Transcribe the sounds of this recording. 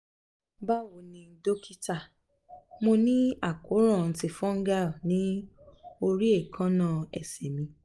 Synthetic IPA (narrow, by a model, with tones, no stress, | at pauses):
ba˦˨wo˨nĩ˧˦do˦kʰi˦ta˦˨ | mo˧nĩ˦a˦˨ko˨˦ɾ̃ã˦˨n̩˨ti˧˨fɔ̃˦ŋ˦ɡa˦˨nĩ˨˦ | o˧ɾi˦e˦˨kʰã˦nã˦˨ɛ˨sɛ˨mĩ˧